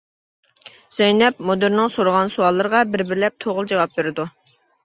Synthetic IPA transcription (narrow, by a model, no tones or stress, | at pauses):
z̥ɛjnɛpmod̪ɪɾnɪŋsoɾəʁɑnsuwɑlˠːəɾəʁɑbɪɾbɪɾlɛp̚t̪ʰoʁʊlˠd͡ʒɑwɑp̚beɾɪd̪u